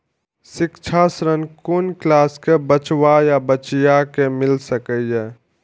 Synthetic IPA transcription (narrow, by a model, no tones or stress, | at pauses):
sɪkt͡ʃʰasɾənkonklaːskebət͡ʃwajabət͡ʃjakemɪlsəkəiɛ